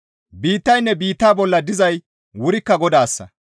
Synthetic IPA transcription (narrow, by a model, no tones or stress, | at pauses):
biːt̪ːɐjnːɛbiːt̪ːaːbɔlːɐd̪ɪzɐj | wʊɾɪkːɐɡɔd̪aːsːɐ̰